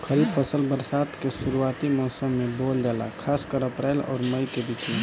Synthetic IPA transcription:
kʰəɾipəsəlbəɾsaːt̪kesuɾuaːt̪imɔːsəmːẽboːld͡ʒaːla̰kʰaːskəɾəpɾɛlɔ̰ːɾməjkeb̪it͡ʃi

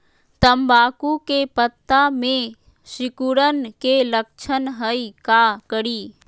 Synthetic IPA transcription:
t̪əmbaːkukepət̪ːamẽ | ʃɪkuɾənkelək̚t͡ʃʰənɦəikakəɽiː

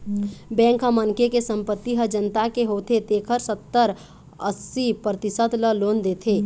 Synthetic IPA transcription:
bɛ̃ːŋkɦəmənkekesə̃mpət̪ːiɦəd͡ʒənt̪akeɦot̪ʰet̪eːkʰəɾsət̪ːəɾ | əsːipɾət̪ɪsəd̪ləloːnd̪eːt̪ʰe

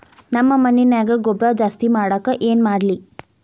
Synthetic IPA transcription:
nɐmːɐmɐnːinaːɡɐɡɔbɾad͡ʒaːst̪imaːɽaːkɐʔeːnmaːɽli

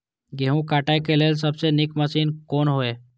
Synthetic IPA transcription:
ɡeɦũkaʈajkelels̬əbsenɪkməsiːnkoːnɦoːeː

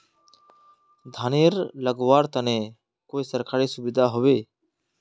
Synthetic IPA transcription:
d̪ʱaːneɾləɡwaːɾt̪ənẽ | koːisəɾkʰaːɾisʊbɪd̪ʱaɦoweː

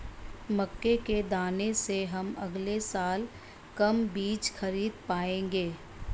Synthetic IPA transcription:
mɐkːeked̪aːneseɦɐmɐ̰ɡlesaːl | kɐmbiːt͡ʃxɐɾiːd̪paːẽːŋɡeː

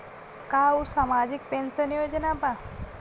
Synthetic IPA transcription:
kausamad͡ʑik̚pensənjod͡ʑənapa

